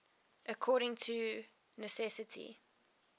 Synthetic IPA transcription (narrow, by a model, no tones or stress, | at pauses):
ʔəkʰɔːɾɪ̃ŋtʰu | nəsɛsətʰḭ